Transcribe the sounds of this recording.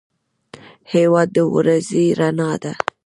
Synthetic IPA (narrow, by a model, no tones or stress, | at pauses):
hewɑd̪̚ːəw̰ɾaziɾanɑd̪a